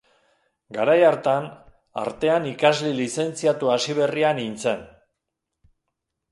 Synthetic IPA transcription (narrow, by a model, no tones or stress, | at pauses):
ɡaɾajaɾt̪an | a̰ɾt̪e̞anikazlilise̞nt͡siat̪uasiβ̞e̞rianint͡se̞n